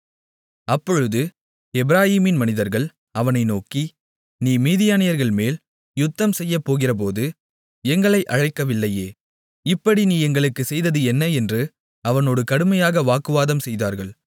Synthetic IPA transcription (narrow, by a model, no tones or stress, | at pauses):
ɐpːɔɻɯðɯ | ɛbɪɾaːjiːmɪnmɐnɪðɐɾɣɐɭ | ɐʋɐnɐɪnoːki | niːmiːðɪjaːnɪjɐɾɣɐɭmeːl | jʊt̪ːɐmsɛjːɐpːoːɣɪrɐp̬oːðɯ | ɛŋɡɐɭɐɪʔɐɻɐɪkːɐʋɪlːɐjeː | ɪpːɐɽiniːɛŋɡɐɭɯkːɯsɛjðɐðɯɛnːɐɛndrɯ | ɐʋɐnoːɽɯkɐɽɯmɐjaːɣɐʋaːkɯʋaːðɐmsɛjðaːɾɣɐɭ